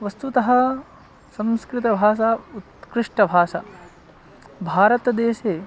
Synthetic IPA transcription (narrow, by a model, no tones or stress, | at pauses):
ʋɐst̪ut̪ɐɦɐ̆ | sɐ̃mskɾɪt̪ɐbʱaːʃaut̪kɾɪʂʈɐbʱaːʃa̰ | bʱaːɾɐt̪ɐd̪eːʃeː